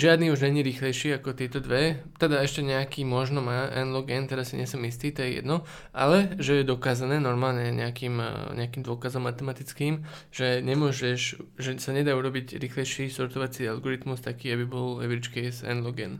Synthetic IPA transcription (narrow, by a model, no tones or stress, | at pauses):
ʒɪad̪niːuʒɲɛɲiːɾiːxlɛjʃiːakɔt̪ɪɛt̪ɔd̪ʋɛt̪ɛd̪aɛʃcɛɲɛakiːmɔʒnɔmaːʔɛ̰nlɔɡɛnt̪ɛɾasːiɲɪɛsɔmist̪iːt̪ɔjɛjɛ̰d̪nɔ | ʔa̰lɛʒɛjɛd̪ɔkaːzanɛːnɔɾmaːlɲɛɲɛ̰akiːmɲɛakiːmd̪ʊɔkazɔmːat̪ɛmat̪it͡skiːm | ʒ̥ɛɲɛmʊɔʒɛʃʒɛsaɲɛd̪aːuɾɔbiɟɾiːxlɛjʃiːst̪ɔɾt̪ɔʋat͡sialɡɔɾit̪must̪akiːabibɔlɛ̰ʋiɾit͡ʃkɛsɛ̰nlɔɡɛ̰n